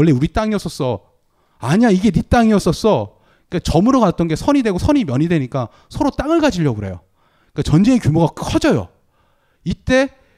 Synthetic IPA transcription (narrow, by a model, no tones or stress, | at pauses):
ʌɭːe̞uɾit͈aŋiʌs͈ʌs͈ʌ | aɲiaiɡe̞nit͈aŋiʌs͈ʌs͈ʌ | ik͈at͡ɕʌmɯɾokat͈ʌnɡe̞sʰʌɲidwe̞ɡosʰʌɲimjʌɲidwe̞ɲik͈a | sʰʌɾot͈aŋɯɭɡad͡ʑiʎːʌɡɯɾe̞jo̰ | ik͈at͡ɕʌnd͡ʑeekjumoɣakkʰʌd͡ʑʌjo̰ | it͈e̞